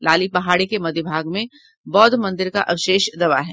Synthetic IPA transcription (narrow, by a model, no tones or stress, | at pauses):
laːlipɐɦaːɽikemɐd̪jəbʱaːɡmẽ | bɔːd̪mɐ̃nd̪ɪɾka̰ʔɐʋʃeːʃd̪ɐʋaɦɛː